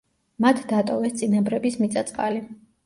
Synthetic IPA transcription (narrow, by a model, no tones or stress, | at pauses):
mat̪ʰd̪at̪ʼɔvɛst̪sʼinabɾɛbismit̪sʼat̪sʼqʼa̰li